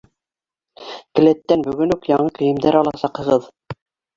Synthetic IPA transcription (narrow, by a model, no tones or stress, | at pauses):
kɘ̆læt̪ːænbɵ̆ɡɵnʉkjɑɴɤkɘ̆jɘ̆md̪æɾɑlˠɑsɑqhɤ̆ʁɤð